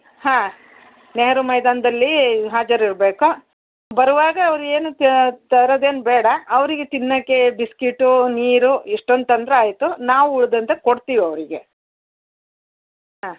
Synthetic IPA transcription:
hãː | neɦɐɾumɐjd̪aːnd̪ɐlːiɦaːd͡ʒɐɾiɾbe̞ːku | bɐɾuʋaːɡɐːʋɾue̞ːnutt̪ɐɾoːd̪e̞ːnbɛːɽɐːʋɐɾiɡet̪inːɐkːebiskiʈːuniːɾuiʂʈond̪t̪ɐnd̪ɐɾeaːjt̪unaːʋuuɭd̪ɐnt̪ekoɽt̪iːʋiɐʋɾiɡe̞ | ɦaː

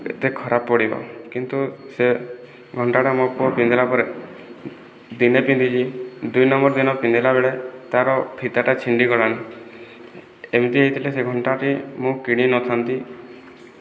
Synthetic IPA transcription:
ḛt̪ekʰɔɾappɔɽibɔ̰kint̪use | ɡʱɔɳʈaʈamɔpɔpind̪elapɔɾe | d̪inepind̪it͡ʃʰid̪ujnɔmbɔɾd̪inɔpind̪elabeɭet̪aɾɔpʰit̪aʈat͡ʃʰiɳɖikɔɭan | emit̪iɦejt̪ʰileseɡʱɔɳʈaʈimũkiɽ̃inɔt̪ʰant̪i

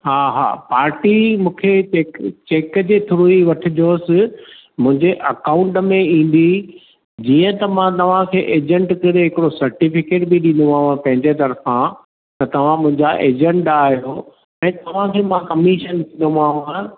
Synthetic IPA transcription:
ɦaːɦa̰ːpaːɾʈimũːkʰet͡ɕeːt͡ɕeːkəd͡ʑeːt̪ʰʊɾuiʋɐʈʰɪd͡ʑoːsɪ | mʊ̃ɦɪ̃ɲd͡ʑeʔɐkaːʊ̃ɳʈmẽĩːn̆d̪i | d͡ʑiːə̃t̪ɐmãt̪ɐʋ̤ãkʰeːʔeːd͡ʑə̃ɳʈkɐɾeɦɪkɪɽosɐɾʈifɪkeːʈbiɗɪ̃nd̪õaːɦãpɐ̃ɦɪ̃ɲd͡ʑet̪̬ɐɾfã | t̪ɐt̪ɐʋ̤ãmʊ̃ɦɪ̃ɲd͡ʑaʔeːd͡ʑɛ̃ɳʈaːɦijoː | ɛ̃ːt̪ɐʋ̤ãkʰeːmãkɐmiʃənkĩnd̪aːɦʊã

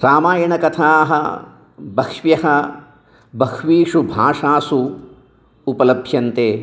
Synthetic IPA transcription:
ɾaːmaːjɐɳɐkɐt̪ʰaːɦɐ̰ | bɐkʂʋjɐɦɐ | bɐkʰʋiːʂubʱaːʂaːsu | upɐlɐbʱjɐnt̪eː

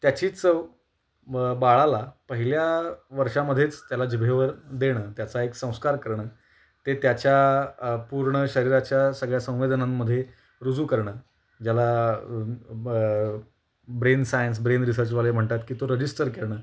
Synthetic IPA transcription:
t̪jat͡ɕiːt͡sə | baɭalapəɦiljaʋəɾʂaməd̪ʱːjet͡st̪jalad͡ʑibʱeʋəɾd̪eɽ̃əːt̪jat͡saeksə̃w̃skaɾkəɾɳəː | t̪et̪jat͡ɕjapuɾɳəɕəɾiɾat͡ɕjasəɡɭjasə̃w̃ʋed̪ənamːəd̪ʱːje | ɾud͡zuːkəɾɳəː | d͡ʑala | bɾensajəns̬bɾenɾis̬əɾt͡ɕʋalem̤əɳt̪at̪kiːt̪oɾəd͡ʑisʈəɾkeɭɳ̃əː

